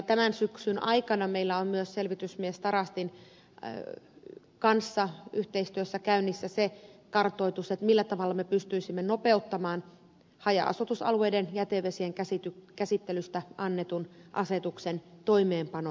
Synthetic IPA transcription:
t̪æmænsyksynʔɑikɑnɑmeilːæommyøsselʋit̪ysmiest̪ɑɾɑst̪in | kɑnsːɑyht̪eist̪yøsːækæynːisːæsekɑrt̪oit̪uset̪milːæt̪ɑʋɑlːɑmepyst̪yisimːenopeut̪ːɑmɑːn | hɑjɑ̰ʔɑ̰sut̪usɑ̰lueidenjæt̪eʋesieŋkæsit̪ykæsit̪ːelyst̪æʔɑnːet̪unʔɑset̪uksent̪oimeːmpɑno

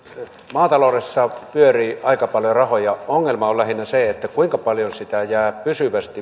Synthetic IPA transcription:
mɑːt̪ɑloˑresːɑpyøriːʔɑikɑpɑljorɑhojɑoŋːelmɑolæhinːæseet̪ːækuiŋkɑpɑljonsit̪æjæːpysyʋæst̪i

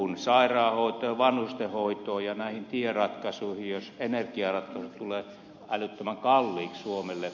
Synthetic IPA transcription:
unsɑirɑːhoˑit̪oːʋɑnhust̪ehoˑit̪oːjɑnæˑihint̪ierɑt̪kɑsuihijosenerkiɑrɑt̪kɑsut̪uleː | ælyt̪ːømæŋkɑlːiːkssuomelːe

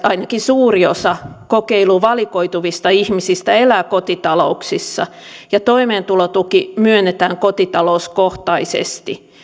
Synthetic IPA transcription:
ɑinɑkisuːriosɑkokeiluʋɑlikoit̪uʋist̪ɑihmisist̪æelæːkot̪it̪ɑlouksisːɑ̰ | jɑt̪oimeːnt̪ulot̪ukimyønːet̪æːŋkot̪it̪ɑlouskoht̪ɑisḛst̪i

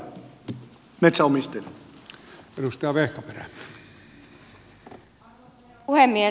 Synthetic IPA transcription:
met̪sæomist̪elʲ | edust̪ɑɑʋehkɑperæ | uhemːie

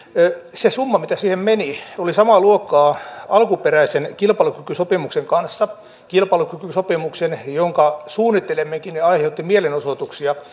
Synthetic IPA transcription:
sesumːɑmit̪æsiːhemmeniolisɑmɑluokːˑɑːɑlkuperæisenkilpɑlukykysopimukseŋkɑnsːɑ | kilpɑlukykysopimuksenjoŋkɑsuːnːˑit̪ːelemːekineɑiheut̪ːimielenosot̪uksiɑ

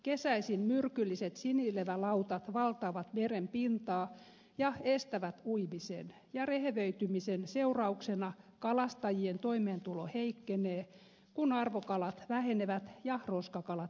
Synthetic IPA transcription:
kesæisinmyrkylːiset̪sinileʋælɑut̪ɑt̪ʋɑlt̪ɑːʋɑt̪merempint̪ɑː | jɑest̪æʋæt̪uimisḛn | jɑreheʋøyt̪ymisenseurɑuksenɑkɑlɑst̪ɑjient̪oimeːnt̪uloheikːeneː | kunɑrʋokɑlɑt̪ʋæheneʋæt̪jɑroskɑkɑlɑt̪

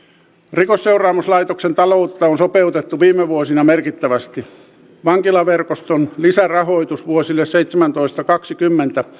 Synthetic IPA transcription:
rikosseurɑːmuslɑit̪oksent̪ɑlout̪ːɑonsopeut̪et̪ːuʋiːmeʋuosinɑmerkit̪ːæʋæst̪i | ʋɑŋkilɑʋerkost̪onlisærɑhoit̪usʋuosilːesseit̪semænt̪oist̪ɑkɑksikymːent̪æ

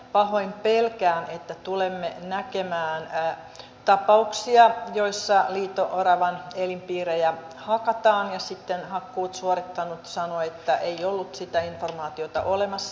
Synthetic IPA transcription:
pɑhoimpelkæːnʔet̪ːæt̪ulemːenækemæːn | t̪ɑpɑuksiɑjoisːɑliːt̪oʔorɑʋɑnelimpiːrejæ | hɑkɑt̪ɑːnjɑsit̪ːenhɑkːuːt̪suorit̪ːɑnut̪sɑnoet̪ːæʔeiolːut̪sit̪æinformɑːt̪iot̪ɑ̰ʔolemɑsːɑ

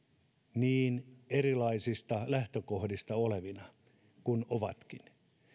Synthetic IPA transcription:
niːneɾilɑisist̪ɑlæht̪økohdist̪ɑoleʋinɑ | kunoʋɑ̰t̪kin

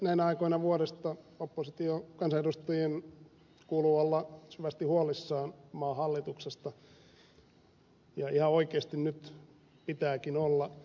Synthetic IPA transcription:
næinæɑikoinɑʋuoɾest̪ɑopːosit̪iokɑnsɑedust̪ɑjen | kuːluolːɑsyʋæst̪ihuolisːɑːnmɑːhɑlːit̪uksest̪ɑ | jɑihɑoikeːst̪innyt̪ | pit̪æːkinolːɑ

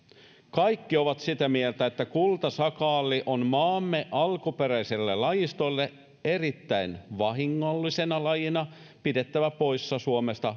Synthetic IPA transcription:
kɑjkːio̞ʋɑt̪sit̪æmielt̪æet̪ːækult̪ɑsɑkɑːlːiʔonmɑːmːeʔɑlkupe̞ɾæjselːelɑjist̪o̞lːe | e̞rit̪ːæinʋɑɦiŋːolːise̞nɑlɑjinɑ | pide̞t̪ːæʋæpo̞jsːɑsuomest̪ɑ

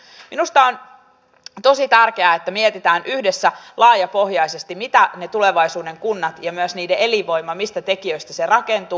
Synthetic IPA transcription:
minust̪ɑo̞n | t̪o̞sit̪ærk̟e̞æet̪ːæmiet̪it̪æːnʔyhdesːælɑːjɑpo̞hjɑjse̞st̪imit̪æne̞t̪ule̞ʋɑjsuːde̞ŋkunːɑt̪jɑmyøsniːdee̞liʋo̞jmɑmist̪æt̪e̞kiø̞jst̪æse̞rɑke̞nt̪uː

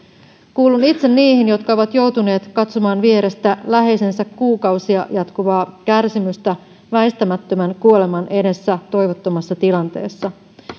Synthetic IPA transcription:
kuːlunit̪se̞nːiːhinjo̞t̪kɑo̞ʋɑt̪jo̞wt̪une̞ːt̪kɑt̪somɑːnʋieɾe̞st̪ælæɦe̞jse̞nsækːuːkɑwsiɑjɑt̪kuʋɑːkærsimyst̪æ | ʋæist̪æmæt̪ːømænkuo̞le̞mɑnʔe̞de̞sːæt̪o̞jʋo̞t̪ːo̞mɑsːɑt̪ilɑnt̪e̞̰ːsːɑ

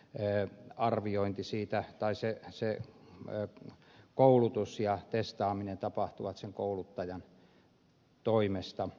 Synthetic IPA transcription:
ɑrʋioint̪isiːt̪æt̪ɑisese | koulut̪usjɑt̪est̪ɑːminent̪ɑpɑht̪uʋɑt̪seŋkoulut̪ːɑjɑn | t̪oimest̪ɑ

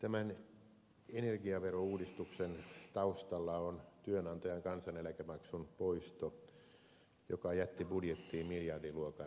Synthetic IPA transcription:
t̪æmæn | enerɡiɑʋerouːdist̪uksent̪ɑust̪ɑlːɑont̪yønɑnt̪ojɑŋkɑnsɑnelækæmɑksunpoist̪o | jokɑjæt̪ːibudjet̪ːiːmiljɑrdiluokɑ

